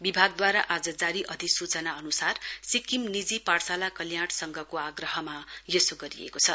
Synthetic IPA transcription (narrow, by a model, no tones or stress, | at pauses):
bibʱaɡ̚d̪waɾaʔad͡zʌd͡zaɾiʔʌd̪ʱisut͡sʌnaʌnusarsikimnid͡ziparsalakʌljaɽsʌŋɡʱʌkoaɡrʌɦʌmajesoɡʌɾḭḛkot͡sʰʌ